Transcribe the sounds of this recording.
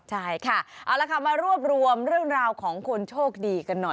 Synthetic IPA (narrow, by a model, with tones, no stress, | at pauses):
t͡ɕʰa˥˩jkʰa˥˩ʔa˨˩wlaː˧˩kʰa˨˩p̚maː˧ɾu˥˩əp̚ɾu˧əmɾɯ˥˩əŋɾaː˧wkʰɔː˩˦ŋkʰo˧nt͡ɕʰoː˥˩k̚diː˧ka˧nːɔ˨˩